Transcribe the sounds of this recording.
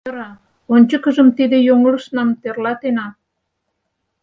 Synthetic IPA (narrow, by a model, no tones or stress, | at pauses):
əɾɑ | onʲt͡ɕə̆kə̆ʒə̆mt̪id̪ĕjoŋələ̆ʃnɑmt̪erlɑt̪enɑ